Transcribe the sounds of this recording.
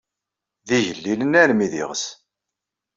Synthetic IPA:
ðiʝəlːilənæɾmiðḭʁəs

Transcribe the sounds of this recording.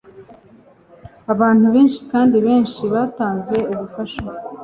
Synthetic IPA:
aβaːn̥uβe̞ːnʃi̥kaːndiβe̞ːnʃiβaːtaːnze̞uβufaʃa

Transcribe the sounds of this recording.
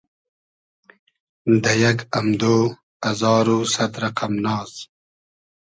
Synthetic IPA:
d̪ɐjɐkɐmd̪oː | ɐzɑːɾusɐt̪ɾɐqamnɑːz

